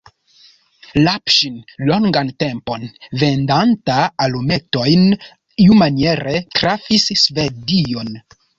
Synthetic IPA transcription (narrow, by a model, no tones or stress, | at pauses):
lapʃinlo̞ŋɡante̞mpo̞nve̞ndantaːlume̞to̞jn | iumanie̞ɾe̞tɾafisːve̞dio̞n